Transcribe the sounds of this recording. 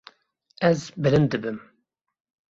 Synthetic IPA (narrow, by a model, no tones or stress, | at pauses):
ɛzbɨlɨnd̪ɨbɨm